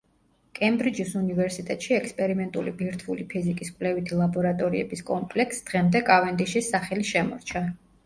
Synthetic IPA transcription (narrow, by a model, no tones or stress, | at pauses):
kʼɛmbɾid͡ʒisunivɛɾsit̪ʼɛt̪ʼʃiɛkspʼɛɾimɛnt̪ʼulibiɾt̪ʰulipʰizikʼiskʼvlɛvit̪ʰilˠabɔɾat̪ʼɔɾiɛ̰biskʼɔmpʼlɛksd̪̥ʁɛmd̪ɛkʼavɛnd̪iʃisaχɛliʃɛmɔɾt͡ʃʰa